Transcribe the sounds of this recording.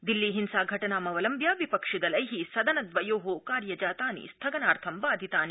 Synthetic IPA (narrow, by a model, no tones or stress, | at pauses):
d̪ilːiɦinsaːɡʱɐʈɐnaːmɐʋɐlɐmbjaːʋipɐkʂid̪ɐlɐjɦisɐd̪ɐnɐd̪ʋɐjoːɦokaːɾjɐd͡ʒaːt̪aːnḭst̪ʰɐɡɐnaːɾt̪ʰɐmʋaːd̪ʱit̪aːni